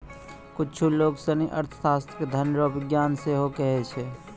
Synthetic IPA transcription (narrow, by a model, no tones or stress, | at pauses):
kʊt͡ʃʰuloːɡsəniʔɐ̰ɾt̪ʰə̥saːst̪ked̪ʱənɾoːbɪɡjaːnseɦokɛɦet͡ʃʰe